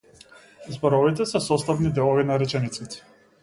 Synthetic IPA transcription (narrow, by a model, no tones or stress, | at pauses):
zbɔɾɔvit̪̬ɛsɛsɔst̪avnid̪ɛlˠɔvinaɾɛt͡ʃɛnit̪sit̪ɛ̥